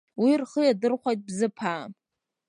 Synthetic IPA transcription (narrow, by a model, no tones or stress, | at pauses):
wirχəjadɨrχʷajt̚ʼbzɨpʰaːm